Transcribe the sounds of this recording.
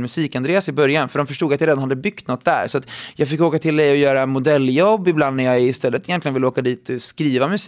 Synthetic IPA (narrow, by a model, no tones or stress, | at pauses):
mɵsiːkand̪ɾeːasɪbœɾjanfœɖɔmfœʂʈuːɡat̪jaɾeːd̪nhad̪ːəbʏkt̪nɔt̪̚ːd̪æ̰ɾsɔat̪jɑːɡfɪkːoːkat̪ʰɪld̪ɛjɔjœːɾamʊd̪ɛlːjɔbːɪbland̪næɾjɑːɡɪst̪ɛlːət̪ɪjɛnt̪lɪɡənvɪlːəoːkad̪iːt̪ʰɪskɾiːvamʉs